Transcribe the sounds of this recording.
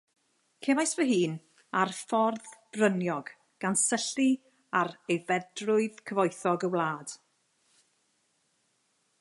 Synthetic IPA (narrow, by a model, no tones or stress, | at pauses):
kʰevajsvəɦiːn | arfɔrðb̥rənjɔɡ̥ | ɡ̥ansəɬi | aɾejvɛdrʊɨðkʰəvɔjθɔɡəwlˠaːd̥